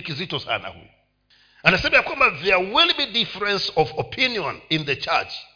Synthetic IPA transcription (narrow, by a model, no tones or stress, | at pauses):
kizitɔsa̰na̰hṵ | ãnajsẽmiakwãmbaðɛwilˠbidifəɹɛ̃nsɔvɔpʰĩnjɔ̃nĩnðət͡ʃɛ̰t͡ʃ